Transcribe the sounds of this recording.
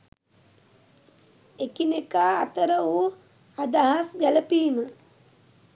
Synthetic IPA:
ekinekaːt̪əɾəʋu | ad̪aɦasɡæləpiːmə

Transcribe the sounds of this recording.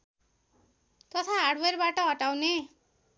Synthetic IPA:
t̪ʌt̪ʰaɦarɽwerbaʈʌɦʌʈawne

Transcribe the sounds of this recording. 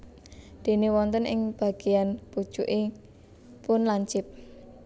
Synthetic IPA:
d̪̥e̤newɔnt̪ənʔɪ̰ŋb̥a̤ɡ̥e̤janpud̥ʒ̥uʔe | pʊnlaɲt͡ʃɪp̚

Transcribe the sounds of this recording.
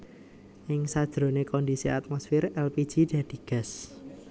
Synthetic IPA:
ʔɪŋsad̥ʒ̥ɾo̤nekɔnd̪isia̰t̪̚mɔsfɪrɛlpid̥ʒ̥id̥a̤d̪̥i̤ɡ̥a̤s

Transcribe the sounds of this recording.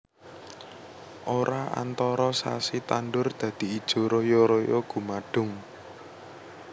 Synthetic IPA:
ʔoɾaa̰nt̪ɔɾɔsa̰sit̪anɖʊrd̪̥ä̤d̪̥i̤id̥ʒ̥o̤ɾojoɾojɔɡ̥ṳmaɖ̥ʊ̤ŋ

